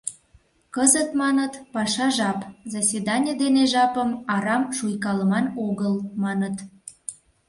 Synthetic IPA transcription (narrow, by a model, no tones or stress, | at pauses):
kəzət̪mɑnət̪pɑʃɑʒɑpzɑsed̪ɑnʲəd̪eneʒɑpəmɑɾɑmʃujkɑləmɑnoɣəlmɑnət̪